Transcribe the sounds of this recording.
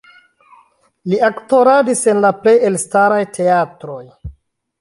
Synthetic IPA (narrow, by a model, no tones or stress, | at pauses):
liakto̞ɾadisenlaple̞je̞lstaɾajtʰe̞atɾo̞j